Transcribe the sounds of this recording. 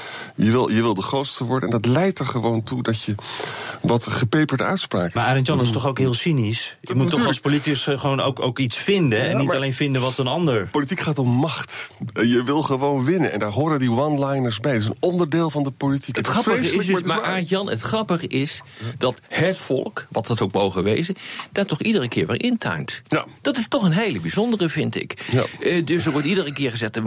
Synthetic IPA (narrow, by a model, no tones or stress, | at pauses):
jəʋɪlˠjəʋɪlˠdəχrowtstəʋɔɹdəɛ̰ndɑtlɛjtəɹχəʋowntudɑtjə | ʋɑtχəpejpəɹdœ̰ɥtspra̰ːkmaːɹʔaːɾəntjɑnɪstɔχowkɦɪːlˠsinisjəmuttːɔχˠspolitikəsχəʋowno̰wko̰wkitsfɪndəɛnːialejnfɪndənʋɑtənɑndəɹpolitikχaːtɔmːɑχtjəʋɪlˠχəʋownʋɪnənɛ̰ndaːɹɦʊːɹdəndiʋɑnlɛjnəɹsbɛjətɪsənnɔndəɹdɪːlˠvɑndəpolitikətχrɑpəɪsdmaaːjɑnə̰tχrɑpəχəʔɪsd̥ɑthətfɔ̰lˠkʋɑtɑtowkmowχəʋejzəd̥aːɹtɔχidərəkɪ̰ːɹʋɛ̰lˠʔɪntʰœ̰ɥntd̥ɑtɪstɔχənɦejləbizɔndərəvɪntɪ̰k | dɵsdoʋɔɹtidərəkɪːɹχəzɛχt